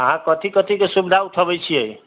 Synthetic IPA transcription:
ɦãkʌt̪ikʌt̪ikosubid̪ʱaut̪ʰʌbʌjt͡sʰiʌj

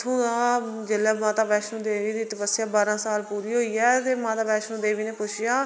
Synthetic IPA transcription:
t̪ʰũːaːd͡ʒelɛːmãːt̪aːpɛːʃnũːd̪eːʋiːd̪iːt̪əpəsːjaːbaːɾãːsaːlpuːɾiːɦoːiːɛːt̪eːmãːt̪aːpɛːʃnũːd̪eːʋiːnẽːpʊt͡ʃʰjaː

